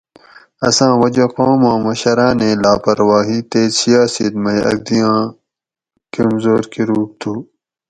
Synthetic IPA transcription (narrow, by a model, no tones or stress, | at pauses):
ɐsãːwɐd͡ʑɐqoːmãːmɐɕɐɾaːnẽːlaːpɐɾwaːɦit̪eːsijaːsiːt̪mɐjɐ̰ɡ̚d̪ijãː | kɐmzoːɾkiɾuːk̚t̪ʰuː